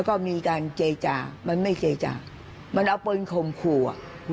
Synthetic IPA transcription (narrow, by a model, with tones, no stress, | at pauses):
kɔː˥˩miː˧kaː˧nt͡ɕeː˧t͡ɕaː˨˩ma˧nma˥˩jt͡ɕeː˧t͡ɕa̰ː˨˩ | ma˧nʔa˧wpɤ˧nkʰo˧˩mkʰṵː˨˧˩